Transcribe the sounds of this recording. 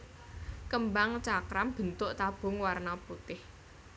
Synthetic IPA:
kəmbaŋt͡ʃakɾamb̥ə̤nt̪ʊʔt̪ab̥ʊ̤ŋwarnaput̪ɪh

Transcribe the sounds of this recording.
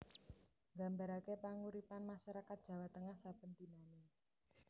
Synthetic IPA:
ŋɡambaɾakepaŋuɾipanmaʃaɾakat̪̚d̥ʒ̥ä̤wat̪əŋahsapənt̪inane

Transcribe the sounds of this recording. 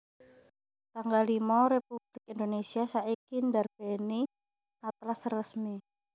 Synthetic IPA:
t̪aŋɡalimɔɾepub̥lɪk̚ind̪onesiasaikindarb̥ɛni | at̪lasrəsmi

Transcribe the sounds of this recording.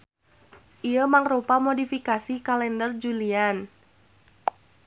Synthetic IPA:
ʔiəmaŋrupamodifikasikalɛndərd͡ʒulian

